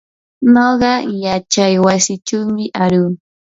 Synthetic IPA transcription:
noɢɑjat͡ʃajwasɪt͡ʃawmɪʔaɾuː

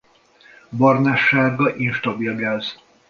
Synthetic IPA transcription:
bɒrnaʃːaːɡɒʔinʃt̪ɒbilɡaːz

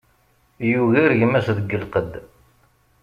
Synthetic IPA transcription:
juɣiɾʝəmæsðəɡːəlqəd̪

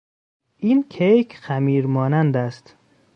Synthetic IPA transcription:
ʔiːnkʰejkʰxæmiːɾmɒːnænd̪æst̪

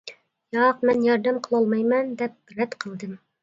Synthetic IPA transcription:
jɑːq̚mɛnjɑɾd̪æmqʰəlˠɑlˠmɑjmɑnd̪ɛp̚ɾɛt̪qʰə̆lˠd̪ɨm

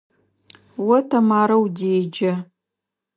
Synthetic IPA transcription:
wɐtʰamaːɾɐwdeːd͡ʒɐ

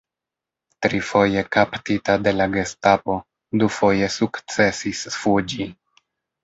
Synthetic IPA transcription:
tɾifo̞je̞kaptitade̞laɡe̞stapo̞ | dufo̞je̞sukt͡se̞sisfud͡ʒi

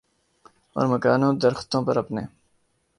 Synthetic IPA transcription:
ɔ̰ːɾmɐkaːnõːd̪ɐɾxt̪õːpɐɾɐpneː

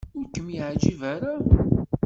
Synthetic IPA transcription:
ʊɾkːəmjiʕd͡ʒivæɾa

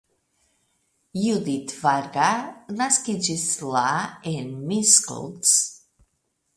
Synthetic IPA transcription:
jud̪it̪ʰvaɾɡanaskid͡ʒislaɛnmiskɔ̰lts

